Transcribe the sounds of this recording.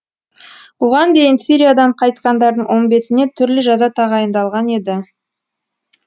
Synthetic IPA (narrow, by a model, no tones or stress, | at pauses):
woʁɑnd̪e̞jɪnsiɾʲijad̪ɑɴqʰɑjt̪̚qɑnd̪ɑɾd̪əɴwʔo̞nbe̞sɪne̞t̪ʰʏɾlɪʒɑzɑt̪ʰɑʁɑjənd̪ɑlˠʁɑne̞d̪ɪ